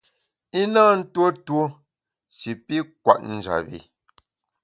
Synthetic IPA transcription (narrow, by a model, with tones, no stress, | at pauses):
i˦naː˦n̩˦two˦two˦ | si˨pi˦kwa̰˨ʔ̚n̩˨d͡ʒa̰˨bḭ˨